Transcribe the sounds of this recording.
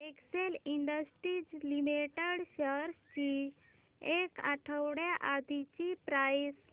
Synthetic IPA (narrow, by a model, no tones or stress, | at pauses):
ekseliɳɖəsʈɾid͡ʑlimiʈeɽɕəɾst͡ɕi | eka̰ʈʰəwɽjaʔad̪ʱit͡ɕipɾais